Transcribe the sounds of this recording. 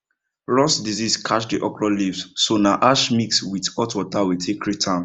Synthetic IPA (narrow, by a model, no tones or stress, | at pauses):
ɹɔsdiziskʰaʃdiʔɔkɹɔlifssonaʔaʃmikswitɔtwɔtawitʰekʰːɹitʰãn